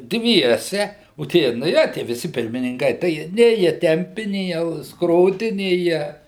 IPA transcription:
ˈdʲʋʲiɛsʲɛ oː ˈtʲiɛ nɐˈjɛ tʲiɛ ʋʲɪˈsʲɪ pʲɪrʲmʲɪnʲɪŋˈkɐɪ tɐɪ ˈjiɛ ˈnʲeː jiɛ ˈtʲɛmʲpʲɪ ˈnʲeː jiɛ ˈskroːdʲɪ ˈnʲeː jiɛ

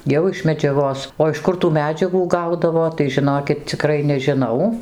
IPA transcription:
ˈjɛʊ ɪʃ mʲɛd͡ʒʲɛˈɡoːs oː ɪʃ ˈkʊr tuː mʲɛˈd͡ʒʲæːɡuː ˈɡɐʊdɐʋoː tɐɪ ʒʲɪˈnoːkʲɪt t͡sʲɪˈkrɐɪ nʲɛʒʲɪˈnɐʊ

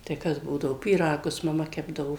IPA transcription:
tɐɪ ˈkɐs ˈbuːdɐʋoː pʲiːˈrɑːɡʊs mɐˈmɐ ˈkʲæːbdɐʋoː

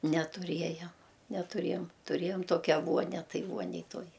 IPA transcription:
nʲɛtʊˈrʲiɛjɛm nʲɛtʊˈrʲeːjoːm tʊˈrʲeːjoːm ˈtoːkʲɛ ˈʋuɔnʲɛ ˈtɐɪ ˈʋuɔnʲɛj ˈtuɔj

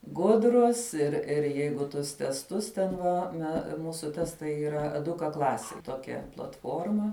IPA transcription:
ˈɡʊdrʊs ɪr ɪr ˈjɛɪɡʊ ˈtʊs tʲɛsˈtʊs tʲɛn ˈʋɐ mʲɛ ˈmuːsʊ ˈtʲæːstɐɪ iːˈrɐ ɛˈdʊkɐ ˈklˠɑːsʲɪj ˈtoːkʲɛ plˠɐtˈfoːrmɐ

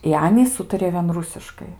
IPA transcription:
ɪ ˈɑːnʲiːs ˈuːtɐrʲɪjoː ʋʲiɛn ˈrʊsʲɪʃkɐɪ

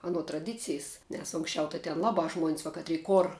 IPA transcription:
ɐˈnoː trɐˈdʲɪt͡sʲɪjs nʲɛs ˈʊŋksʲˌt͡ʃʲɛʊ tɐɪ tʲɛn ˈlˠɑːbɑː ˈʒmuɔnʲsʲ ʋɐ ˈkɑːtʲrʲiː ˈkoːr

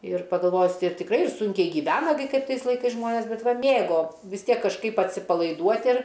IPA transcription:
ɪr pɐɡɐlˠˈʋoːjʊs ɪr tʲɪkˈrɐɪ ɪr ˈsʊŋʲkʲɛɪ ɡʲiːˈʋʲæːnɐ ɡʲɪ ˈkɐɪp ˈtɐɪs lˠɐɪˈkɐɪs ˈʒmoːnʲeːs ˈbʲɛt ˈʋɐ ˈmʲeːɡoː ʋʲɪs ˈtʲiɛk kɐʃˈkɐɪp ɐtʲsʲɪpɐlˠɐɪˈduɔtʲ ɪr

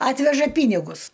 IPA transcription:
ˈɑːtʲʋʲɛʒɐ ˈpʲiːnʲɪɡʊs

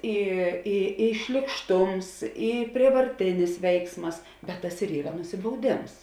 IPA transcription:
ˈiː ɪ ɪ ʃʲlʲiːkˈʃtʊms ɪ pʲrʲiɛʋɐrʲˈtʲɪnʲɪs ˈʋʲɛɪksmɐs bʲɛt ˈtɐs ɪr ˈiːrɐ nʊsʲɪbɐʊˈdʲeːms

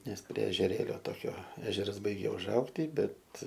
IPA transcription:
ˈnʲɛs pʲrʲiɛ ɛʒʲɛˈrʲeːlʲoː ˈtoːkʲoː ˈæːʒʲɛrɐs ˈbɐɪɡʲɛ ʊʒˈɐʊktʲiː ˈbʲɛt

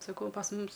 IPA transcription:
sɐˈkɐʊ pɐs ˈmʊmʲɪs

